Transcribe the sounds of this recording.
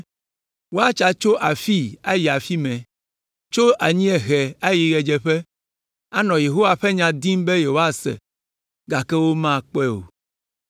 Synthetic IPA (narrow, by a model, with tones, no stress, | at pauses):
wo˦a˦t͡ʃa˨t͡ʃo˦ʔa˨fi˦a˦ji˨a˨fi˦mɛ̃˨ | t͡ʃo˦ʔa˨ɲĩ˦ɛ˨ɣɛ˨a˦ji˨ɣɛ˨d͡ʒɛ˨ɸɛ˦ | a˦nɔ̃˨je˨ɦo˦wa˨ɸɛ˦ɲã˨d̪i˦mbɛ˦je˨wo˦a˦sɛ̰˨ | ɡa˨kɛ˦wo˦mã˦k͡pɛ˦o̰˨